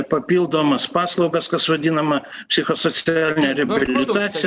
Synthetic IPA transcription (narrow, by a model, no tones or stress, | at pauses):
pɐpʲiːlˠd̪oːmɐspɑːslˠɒʊɡɐskɐsʋɐd̪ʲinɐmɐpʲsʲɪxosot̪sʲɪaæːlʲnʲɛɾʲɛbʲɪlʲɪt̪ɑːt̪sʲɪ